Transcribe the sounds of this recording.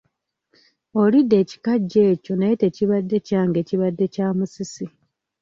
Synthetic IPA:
o̞lidːe̞ːci̥kaɟːe̞ːco̞najete̞ːciβadːe̞caːŋɡe̞ːciβadːe̞caːmusisi

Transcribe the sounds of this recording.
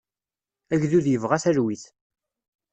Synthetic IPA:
æʝðuðjəvʁaθæɾwiθ

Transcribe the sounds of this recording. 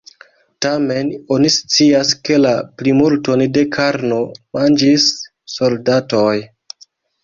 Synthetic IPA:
tame̞no̞nist͡siaske̞laplimultonde̞kʰaɾno̞mand͡ʒisː | o̞ldatoj

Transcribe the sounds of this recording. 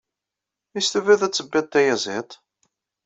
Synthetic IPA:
ist̪əvæðæt͡sːəbːæt̪ːæjæzɪt̪ˤ

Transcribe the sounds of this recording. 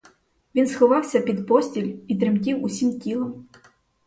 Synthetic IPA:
vʲinsxɔvawsʲɐpʲid̪pɔsʲt͡sʲilʲit̪ɾɨmkʲiwusʲimkʲilˠɐm

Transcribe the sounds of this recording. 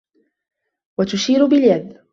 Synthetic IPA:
wat̪ʊʃiːɾʊbɪljad̪

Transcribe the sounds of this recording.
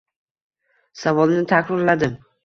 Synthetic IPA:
savɒlˠnɪt̪ʰakʲɾɪɾlad̪ɪm

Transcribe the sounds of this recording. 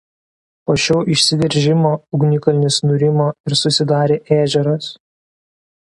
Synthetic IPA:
poːʃʲoːʔɪʃʲsʲɪd̪ʲɛɾʲʒʲɪmoːʊɡnʲɪkɐlʲɪnʲɪsnʊɾʲɪmoːɪɾsʊsʲɪd̪ɑːɾʲeːʔæːʒʲɛɾɐs

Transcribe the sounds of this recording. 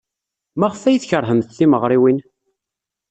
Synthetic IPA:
mæʁəfæjθçəɾˤɦəmθθiməʁɾˤiwin

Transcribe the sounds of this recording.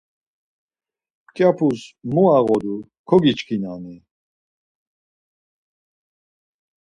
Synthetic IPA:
kʼjapʰusmuaɣɔd̪u | kʰɔɡit͡ʃkʰinani

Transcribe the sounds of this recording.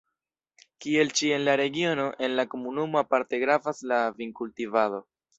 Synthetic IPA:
kie̞lt͡ʃie̞nlaɾe̞ɡio̞no̞ʔe̞nlako̞munumo̞apaɾte̞ɡɾafaslaviŋkultivado̞

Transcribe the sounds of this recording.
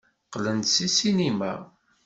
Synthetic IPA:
qlənt̪sisinimæ̰

